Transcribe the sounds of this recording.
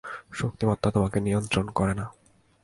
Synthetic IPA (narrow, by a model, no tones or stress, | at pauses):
ʃok̚t̪imɔt̪ːat̪omakenijont̪ɾonkɔɾena